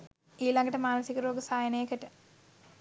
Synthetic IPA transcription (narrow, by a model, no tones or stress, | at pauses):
iːlɐŋɡɐʈːɐmaːnɐsikːɐɾoːɡəsaːjɐnejkːɐʈːɐ